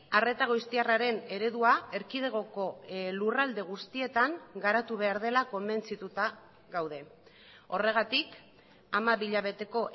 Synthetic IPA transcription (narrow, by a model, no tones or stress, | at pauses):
are̞t̪aɣojst̪iaraɾe̞ne̞ɾe̞ðuae̞ɾkið̞e̞ɣ̞o̞ko̞lurald̪e̞ɣ̞ust̪ie̞t̪aŋɡaɾat̪uβ̞e̞aɾðe̞lako̞mbe̞nt͡sit̪ut̪a | ɣawð̞e̞ | o̞re̞ɣ̞at̪ik | amaβiʎaβ̞e̞t̪e̞ko̞ʔ